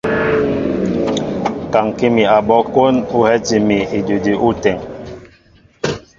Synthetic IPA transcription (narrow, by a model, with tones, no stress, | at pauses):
ka˨ŋki˦mi˨a˨bɔ˦ko˦nu˦hɛ˦ti˨mi˨i˨du˨di˨ʔu˦tɛ˨ŋ